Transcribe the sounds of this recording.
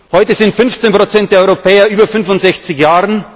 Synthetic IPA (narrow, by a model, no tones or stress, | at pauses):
hɔʏtəzɪntfʏnft͡seːnpʁ̥ot͡sɛnt̚d̥eːɐɔʏʁopʰɛːɐʔyːbɐfʏnfʊntz̥ɛçt͡sɪçjaːʁən